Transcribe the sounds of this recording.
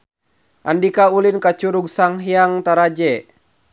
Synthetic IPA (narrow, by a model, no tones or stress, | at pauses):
ʔa̰ndikaulinkat͡ʃuɾuɡ̚saŋɦiaŋt̪aɾad͡ʒɛ